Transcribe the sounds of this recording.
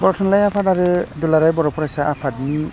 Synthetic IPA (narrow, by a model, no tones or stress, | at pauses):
bɔɾɔtʰɔnlajapʰadaɾɯdulaɾajbɔɾɔpʰɔɾajsaʔapʰatni